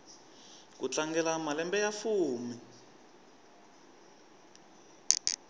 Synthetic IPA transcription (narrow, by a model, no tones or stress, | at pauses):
kut͡ɬaŋɡɛlamalɛmbɛjafuːmi